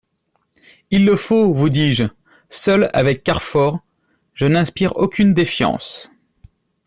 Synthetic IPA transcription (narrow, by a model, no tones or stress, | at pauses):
ilːəfovud̪iʒ | sœla̰vɛkːaʁfɔʁ | ʒ̥ənɛ̃spiʁo̰kʲynd̪efjɑ̰̃s